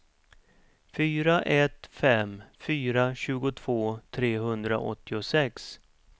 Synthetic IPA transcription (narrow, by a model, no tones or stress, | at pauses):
fyːɾaʔɛt̪fɛmfyːɾaɕʉ̟ːɡʊt̪ʰv̥oːt̪ʰɾeːɦɵnd̪ɾa̰ʔɔ̰t̪ʰːɪʊsɛks